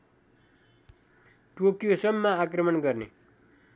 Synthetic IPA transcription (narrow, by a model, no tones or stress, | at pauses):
ʈokjosʌmːaakrʌmʌnɡʌrnḛ